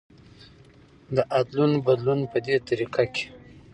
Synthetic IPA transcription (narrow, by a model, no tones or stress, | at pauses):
d̪əʔad̪lunbad̪lunpəd̪et̪aɾiqʰakʲe̥